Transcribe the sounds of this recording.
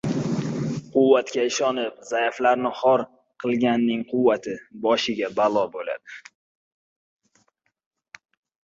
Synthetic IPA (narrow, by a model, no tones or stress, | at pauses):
qʰʊwːat̪kʲaɪʃɒnɪpz̥ajaflaɾnɪhɒɾ | qʰɨlˠɡʲanːɪŋqʰʊwːat̪ʰɪbɒʃɪɡʲabalˠɒbola̰d̪̥ɪ